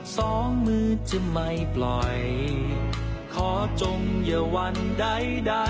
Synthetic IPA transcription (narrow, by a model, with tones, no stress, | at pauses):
sɔː˨˩˦ŋmɯː˧t͡ɕɯ˧˩ma˧jplɔ˨˩j | kʰɔː˩˦t͡ɕo˧ŋjɯ˨˧˩wa˧nda˧˥˩jda˧